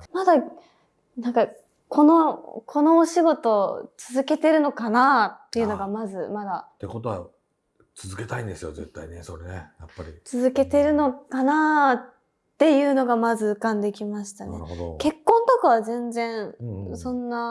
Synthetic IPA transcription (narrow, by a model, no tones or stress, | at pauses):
mad̪a | nãŋka | kʰo̞nokʰo̞no̞ːɕiɡo̞t̪o̞t͡sɨzɨke̞t̪e̞ɾɯ̟no̞kanat̪ːe̞jɯ̟no̞ɡamazɨmad̪at̪ːeko̞t̪o̞βa̰ | t͡sɨzɨke̞t̪aĩnd̪e̞sɨjoze̞̰t̪ːaineso̞ɾenejapːaɾʲḭt͡sɨzɨke̞t̪e̞ɾɯ̟no̞kana | t̪ːe̞jɯ̟ːno̞ɡamazɨɯkãnd̪e̞kʲimaɕi̥t̪anḛo̰ke̞kːõ̞nt̪okaβ̞azẽ̞nd͡zẽ̞ɰ̃sõ̞nːa